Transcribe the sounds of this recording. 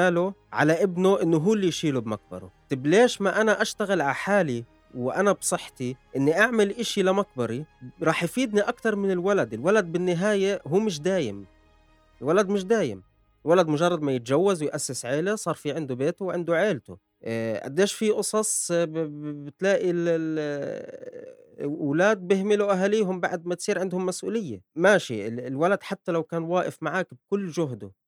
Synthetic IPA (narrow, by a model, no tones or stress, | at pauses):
aːlʊʕa̰laʔɪbnoʔɪnːʊɦuːlːijʃiːlubmak̚bɑ̰ɾˤo̰t̪ɪbleːʃmaʔanaʔaʃt̪aɣɪlʕaħaːli | wʔanabsˤɨħːt̪iʔɪnːiʔaʕmɪlʔɪʃilamak̚bɑɾˤiɾˤɑːħjfiːd̪niʔakt̪ɑɾˤmɪnɪlwalad̪ɪlwalad̪̚bɪnːɪɦaːjeɦuːmɪʃ̬d̪aːjɪ̰m | ʔɪlwalad̪mɪʃ̬d̪aːjɪ̰m | ɪlwalad̪mʊʒɑrˤːɑd̪majɪt̪ʒawːazwɪjʔasːɪsʕeːlasˤɑːɾˤfiːʕɪnd̪ubeːt̪ʊwʕɪnd̪uʕeːlt̪ṵ | ʕa̰d̪ːeːʃfiʔʊsˤɑsˤ | bɪt̪laːʔil | wlaːd̪̚bɪhmɪluʔaɦaliːɦʊmbaʕd̪̚mat̪sˤiːɾʕɪnd̪hʊmːasʔṵːlɪjːamaʃiɪlwalad̪ħat̪ːalawkaːnwaːʔɪfmaʕaːkb̚kʊlːʒʊɦd̪ʊ̰